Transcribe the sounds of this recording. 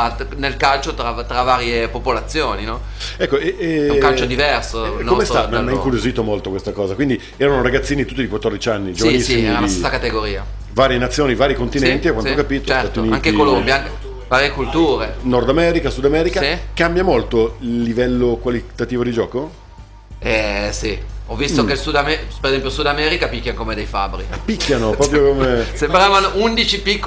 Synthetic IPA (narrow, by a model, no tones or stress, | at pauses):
anelkalt͡ʃot̪ɾat̪ɾavaːɾjepopolat̪sːjoːninɔ | ɛkːoɛɛkalt͡ʃod̪ivɛrsonːomest̪amamːaiŋkuɾjoziːt̪omolt̪okwest̪akɔːzakwind̪i | ɛːɾanoɾaɡat̪sːiːnit̪ut̪ːid̪ikwat̪ːɔrd̪it͡ʃianːid͡ʒovnisːiiɛɾaasesːakat̪eɡoɾiːa̰ | vaːɾjenat̪sːjoːnivaːɾikont̪inɛnt̪iakwanookapit̪ot̪at̪iuniaŋt̪kekolombjaa | vaːɾjekult̪uːɾenord̪amɛːɾikasud̪amɛːɾikaikambjamolt̪oilːivɛlːokwalit̪at̪iːvod̪id͡ʒɔːko | ɛsiɔvːist̪okelsud̪amɛpeɾezɛmpjosud̪amɛːɾikapikːjanokomed̪ejfa̰bɾiapːikːjanopɾɔːpɾjokomesembɾaːvanoʔund̪it͡ʃipikː